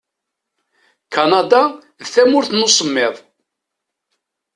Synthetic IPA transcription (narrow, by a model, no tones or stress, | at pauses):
kɑnɑd̪ɑ | ðθæmʊɾθənosˤəmːɪðˤ